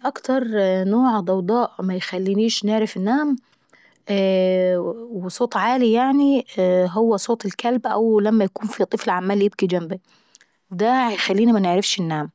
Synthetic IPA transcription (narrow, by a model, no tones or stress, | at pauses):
ʔakt̪ɑɾˤnoːʕd̪ˤɑwd̪ˤɑːʔmajxalːiniːʃnɪʕɾɪfɪnːaːm | wɪsˤoːt̪ˤʕaːlijaʕniɦʊwːasˤoːt̪ˤɪlkalbʔa̰wlamːajakuːnfit̪ˤɨflʕamːaːljɪb̚kid͡ʒambi | d̪ajxalːiːnimanɪʕɾɪfʃɪnːaːm